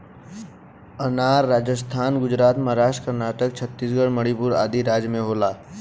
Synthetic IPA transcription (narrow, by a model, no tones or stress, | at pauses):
ənaːɾːaːd͡ʒəst̪ʰaːnɡʊd͡ʒɾaːt̪məɦɾaːʃʈkəɾnaːʈək̚t͡ʃʰət̪ːiːsɡəɽməɽipʊɾa̰ːd̪iɾaːd͡ʒjmẽɦoːlaː